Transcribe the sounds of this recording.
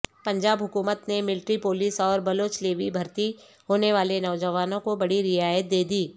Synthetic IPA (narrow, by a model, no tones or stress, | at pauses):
pɐ̃ɲd͡ʒaːbɦʊkuːmət̪nemɪlʈɾipoːliːsɔːɾbɐloːt͡ʃleːʋibʱɐɾt̪i | hoːneʋaːlenɔːd͡ʒəʋaːnõkobɐɽiɾɪaːjət̪̚d̪eːd̪iː